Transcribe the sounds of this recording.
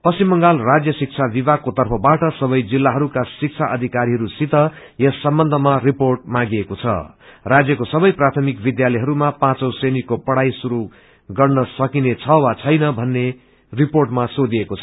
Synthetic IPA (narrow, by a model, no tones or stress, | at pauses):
pʌsimːʌŋɡalrad͡zjʌsik̚t͡sʰabibakot̪ʌrpʰʌbaʈʌsʌβʌjd͡zilːaɦʌɾukasik̚t͡sʰaʔʌd̪ʱikaɾiɦʌɾusit̪ʌ | jesːʌmbʌnd̪ʱʌmariporʈ̚mãɡiekot͡sʰʌ̰rad͡zjʌkosʌbʌjprat̪ʰʌmikbid̪jalʌɦʌɾumapãt͡sʌwsenikːopʌɽajsuɾu | ɡʌrnʌsʌkinet͡sʰʌwat͡sʰʌjnʌbʱʌnːe | riporʈmasod̪iekot͡sʰʌ